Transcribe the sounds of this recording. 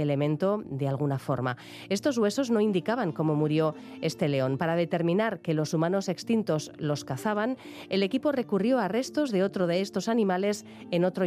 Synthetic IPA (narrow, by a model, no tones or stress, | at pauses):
ele̞mẽ̞nt̪o̞ðe̞alɣ̞unafo̞ɾma | e̞st̪o̞zɣwe̞so̞zno̞ind̪ikaβaŋko̞mo̞muɾjo̞ | e̞st̪e̞le̞o̞npaɾað̞e̞t̪e̞ɾmĩnaɾke̞lo̞sumano̞se̞kst̪int̪o̞zlo̞skaθaβ̞an | e̞le̞kipo̞re̞kurjo̞are̞st̪o̞zðe̞o̞t̪ɾo̞ðe̞est̪o̞sanĩmale̞s | eno̞t̪ɾo